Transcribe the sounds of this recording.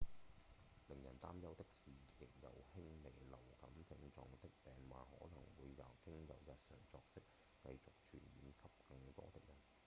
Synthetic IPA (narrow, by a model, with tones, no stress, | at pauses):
lɪ˨˩ŋjɐ̰˨˩nt̪aː˥mjɐ˥wt̪ɪ˥k̚siː˨jɪ˨k̚jɐ̰˨˧whɪ˥ŋme˨˩jlɐ˨˩wkɐ˨˥mt͡sɪ˧ŋt͡sɔː˧ŋt̪ɪ˥k̚pɛː˨ŋwa̰ː˨˧hɔː˨˥lɐ˨˩ŋwuː˨˧jːɐ˨˩wkɪ˥ŋjɐ˨˧wjɐ˧t̚sœ̰ː˨˩ŋt͡sɔː˧k̚sɪ˥k̚ː | kɐ̰˧jt͡sʊ˨k̚t͡ʃʰy̰ː˨˩njiː˨˧mkʰɐ˥p̚kɐ˧ŋt̪ɔ̰ː˥t̪ɪ˥k̚jɐ˨˩n